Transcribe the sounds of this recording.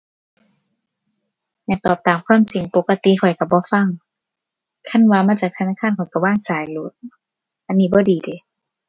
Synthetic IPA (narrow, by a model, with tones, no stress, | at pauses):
ɲɛ˧˩t̪ɔː˨˩p̚t̪aː˨˩mkʰwaː˧˥˨msi˨˩˦ŋpo˨˧˦kːa˧t̪i˧˨kʰɔ˨˩jka˧˩bɔː˧˦fa˧˥˨ŋ | kʰa˧˥˨nwaː˧maː˧˥˨t͡ɕaː˨˩k̚t̪ʰnaː˧˥˨kʰaː˧˥˨nkʰɔ˨˩jka˧˩waː˧˥˨ŋsaː˨˦jlo˧˦t̪̚ | ʔa˧˨nːiː˧˩bɔː˧˦diː˨˦de˨˧˦